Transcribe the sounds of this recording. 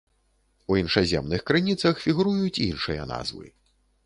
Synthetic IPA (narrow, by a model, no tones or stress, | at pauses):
uinʂazʲɛmnɨxkɾɨnʲit̪sɐxfʲiɣɾujut͡sʲinʂɨjɐ̰na̰zvɨ̰